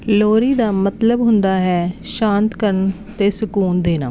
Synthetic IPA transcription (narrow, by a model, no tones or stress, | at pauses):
loːɾiːd̪aːmət̪ləbɦʊnd̪aːɦɛːʃãːnt̪kəɾəɳ | t̪eːsʊkuːnd̪eːna̰ː